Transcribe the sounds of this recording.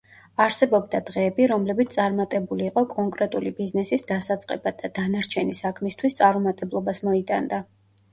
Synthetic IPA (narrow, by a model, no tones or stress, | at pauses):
aɾsɛbɔbd̪ad̪ʁɛːbiɾɔmlɛbit̪ssʼaɾmat̪ʼɛbuliːqʼɔkʼɔŋkʼɾɛt̪ʼulibiznɛsisd̪asat̪sʼqʼɛ̰bad̪ad̪̥anaɾt͡ʃʰɛnisakʰmist̪ʰwist̪sʼaɾumat̪ʼɛblˠɔbasmɔit̪ʼand̪a